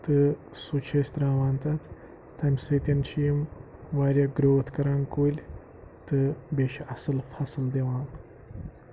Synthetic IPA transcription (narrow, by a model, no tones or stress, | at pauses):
t̪ɨ | sut͡ʃʰɐsʲt̪ɾaːʋaːnt̪ɐt̪ʰː | ɐmʲsɨt̪ʲɐnt͡ʃʰijmʋaːɾʲɐɡɾoːt̪ʰkɐɾaːnkuːlʲ | t̪ɨbʲeʃɐsɨlfɐsɨld̪eʋaːn